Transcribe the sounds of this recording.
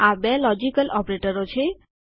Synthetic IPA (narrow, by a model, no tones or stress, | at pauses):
abɛlɔd͡ʒikəlʔɔpɾeʈəɾɔt͡ʃʰe